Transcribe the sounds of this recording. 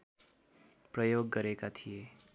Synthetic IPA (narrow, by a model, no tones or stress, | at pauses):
prʌjoɡːʌɾekat̪ʰije